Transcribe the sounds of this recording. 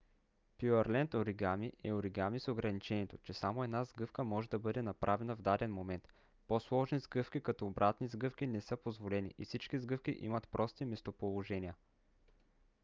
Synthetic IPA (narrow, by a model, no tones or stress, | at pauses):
pjuɛɾlɛnt̪oɾiɡamiʔɛoɾiɡamisoɡɾɐnit͡ʃɛniɛt̪ot͡ʃɛsamoɛd̪nazɡɤfkəmɔʒɛd̪ɐbɤd̪ɛnɐpɾʔavɛnɐvd̪ad̪ɛnmomɛnt̪ | poslˠɔʒnizɡɤfk̟ikɐt̪ɔːbɾʔat̪nizɡɤfk̟inɛsɤpozvolɛnḭʔifsit͡ʃkizɡɤfk̟iʔḭmɐt̪pɾʔɔst̪imɛst̪opolˠoʒɛnʲiə